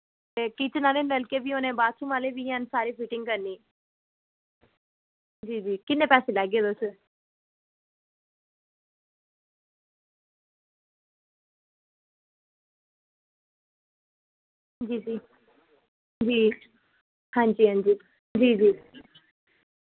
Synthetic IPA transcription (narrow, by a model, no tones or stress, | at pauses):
t̪eːkiːt͡ʃnaːleːnʋɛlkeːbiːoːnẽːbaːt͡ʃʰimaːleːbiːãːnsaːɾiːpʰiːʈɪ̃ŋɡkəɾniː | d͡ʒiːd͡ʒiːkɪnːẽːpɛːseːlaːɡeːd̪os | d͡ʒiːd͡ʒiː | d͡ʒiː | hãːd͡ʒiːɦãːnd͡ʒiː | d͡ʒiːd͡ʒiː